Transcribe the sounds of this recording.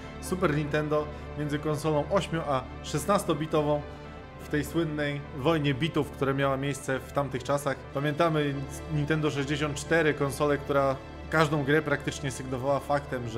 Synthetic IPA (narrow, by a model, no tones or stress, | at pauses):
supɛɾɲint̪ɛnd̪ɔ | mʲɛnd̪zɘkɔnsɔlɔ̃w̃ʔɔɕmʲjuʔa | ʂɛsnast̪ɔbʲit̪ɔvɔ̃w̃ | ft̪ɛjswɘnːɛjvɔjɲɛbʲit̪ufkt̪uɾamʲjawamʲjejst̪sɛft̪amt̪ɘxt͡ʂasaxpamʲjɛnt̪amɘ | ɲint̪ɛnd̪ɔʂ̬ɛʑd͡ʑeɕɔnt̪̚t͡ʂt̪ɛɾɘkɔnsɔlɛkt̪uɾa | kaʐd̪ɔ̃w̃ɡɾɛpɾak̚t̪ɘt͡ʂɲɛsɘɡnɔvawafakt̪ɛmʐ